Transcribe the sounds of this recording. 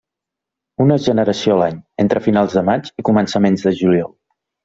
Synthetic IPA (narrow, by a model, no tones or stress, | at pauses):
unəʒənəɾəsiolaɲent̪ɾəfinalˠzðəmat͡ʃikumənsəmenzðəʒuliɔlˠ